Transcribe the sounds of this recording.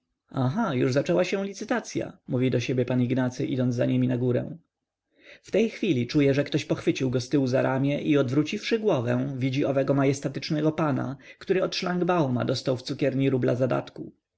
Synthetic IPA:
aɦajṵʐzat͡ʂɛwaɕɛ̃lʲit̪sɘt̪at̪sʲja̰muvʲid̪ɔɕebʲjɛpaniɡnat̪sɘʔid̪ɔnd̪zza̰ɲemʲinaɡuɾɛ̰w̃ | ft̪ɛjxfʲilʲit͡ʂujɛʐɛkt̪ɔɕpɔxfɘt͡ɕiwɡɔst̪ɘuzaɾʔamʲjɛʔiɔd̪vɾut͡ɕifʂɘɡwɔvɛ̰̃vʲid͡ʑiɔvɛɡɔmajɛst̪at̪ɘt͡ʂnɛɡɔpana̰kt̪uɾɘɔt̪ʂlaŋɡbawma̰d̪ɔst̪awft̪sukʲɛɾɲiɾublazad̪a̰t̪ku

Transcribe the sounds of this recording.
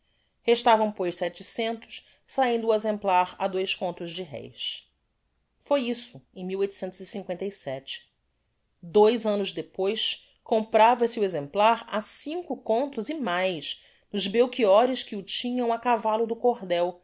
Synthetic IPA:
heʃt̪avɐ̃w̃pojʃsɛt͡ʃɪsẽnt̪ʊ̥ʃ | saĩnd̪ʊːezẽmplaɾɐ̰d̪ojskõnt̪ʊzd͡ʒɪɦɛ̰js | fojisʊẽj̃miwojt̪u̥sẽnt̪ʊzisĩŋkwẽnt̪ɐijsɛt͡ʃɪ̥ | d̪ojzɐ̃nʊzd̪epojs | kõmpɾavɐsɪʊezẽmplaɾasĩŋkʊkõnt̪ʊzimajʃ | nʊzbewkiɔɾɪʃkɪʊt͡ʃĩɲɐ̃w̃akavalʊd̪ʊkoɾd̪ɛw

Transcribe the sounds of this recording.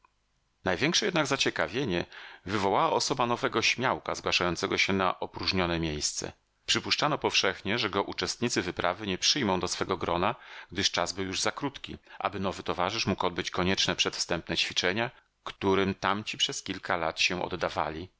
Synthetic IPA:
najvʲjɛŋkʂɛjɛd̪naɡzat͡ɕɛkavʲjeɲɛvɘvɔwawaɔsɔbanɔvɛɡɔɕmʲjawka̰zɡwaʂajɔnt̪sɛɡɔɕɛna̰ʔɔpɾuʐɲɔnɛmʲjejst̪sɛ̰ | pʂɘpuʂt͡ʂanɔpɔfʂɛxɲɛʐɛɡɔʔut͡ʂɛst̪̚ɲit̪sɘvɘpɾʔa̰vɘɲɛpʂɘjmɔ̃w̃d̪ɔsfɛɡɔɡɾɔnaɡ̥̚d̪ɘʂt͡ʂazbɘwjuʐzakɾut̪kʲḭʔa̰bɘnɔvɘt̪ɔvaʐɘʂmukɔd̪bɘt͡ɕkɔɲɛt͡ʂnɛpʂɛt̪fst̪ɛmp̚nɛt͡ɕfʲit͡ʂɛɲa | kt̪uɾɘmt̪amt͡ɕipʂɛskʲilkʰala̰t̪ɕɛʔɔ̰d̪ːava̰lʲi

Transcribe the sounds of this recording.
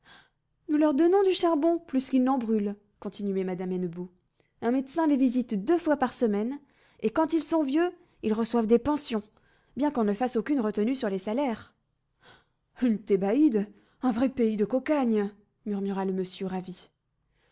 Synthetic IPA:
nulœʁd̪ɔnɔ̃d̪yʃaʁbɔ̃plyskʲilnɑ̃bʁyl | kɔ̃t̪inɥɛmad̪amɛnbo | ɛ̃mɛd̪sɛ̃levizit̪d̪øfwapaʁsəmɛn | ekɑ̃t̪ilsɔ̃vjø | ilʁəswavd̪epɑ̃sjɔ̃ | bjɛ̃kɔ̃nəfasokʲynʁət̪ənysyʁlesalɛʁ | ynt̪ebaid̪ | ɛ̃vʁɛpeid̪əkɔkaɲ | myʁmyʁaləməsjøʁavi

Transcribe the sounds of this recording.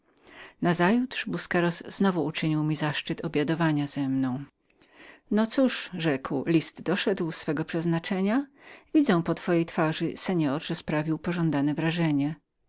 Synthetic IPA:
nazajut̪ʂbuskɛɾɔsːnɔvuːt͡ʂɘɲiwmʲizaʂt͡ʂɘt̪ɔbʲjad̪ɔvaɲazɛmnɔ̃w̃ | nɔt̪suʂʐɛkwlʲist̪d̪ɔʂɛd̪wsfɛɡɔpʂɛznat͡ʂɛɲavʲid̪zɛw̃pɔt̪fɔjejt̪faʐɘ̰sɛɲɔɾʐɛspɾavʲiwpɔʐɔnd̪anɛvɾaʐɛɲɛ

